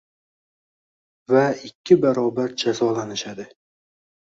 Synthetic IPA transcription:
vaɪkʲʰːɪbaɾɒbaɾd͡ʒazɒlanɪʃad̪ɪ

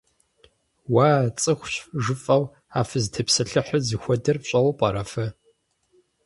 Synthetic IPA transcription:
waːt͡sʼɨxʷɕʒɨfʼɐw | aːfɨztʰɐpsɐɬɨħəzɨxʷɔdɐrpɕʼɐwpʼɐɾɐfɐ

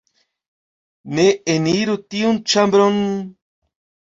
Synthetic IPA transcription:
neeniɾut̪iunt͡ʃambɾon

